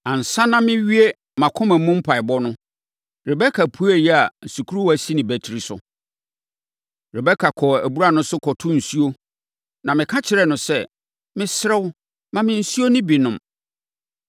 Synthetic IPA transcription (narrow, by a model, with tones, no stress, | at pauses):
ã˨n̩˨sã˦nã˦mɪ̃˦ɥi˦e˦ | mã˨kʰʊ̃˦mæ̃˨˦mũ˦m̩˦pʰa˨ɪ˨bɔ˦nʊ̃˦ | ɾɪ˨bɛ˦kʰa˨pʰu˦æ˨jɛ˦a˨n̩˨su˨kʰu˦ɾu˦wæ˨si˦nɪ̃˨bæ˨tʰi˨ɾi˨sʊ̰˨ | ɾɪ˨bɛ˦kʰa˨kʰɔ˨æ˨bu˦ɾa˨nʊ̃˦sʊ˦kʰɔ˨tʰʊ̃˦n̩˨su˦o˦ | nã˨mɪ̃˨kʰã˦t͡ɕʰɪ˨ɾɛ˦˨nʊ̃˨sɛ˦ | mɪ̃˦sɾɛ˦wʊ˦ | mã˨mɪ̃˨n̩˨su˦o˦nɪ̃˦bi˨nʊ̃˨m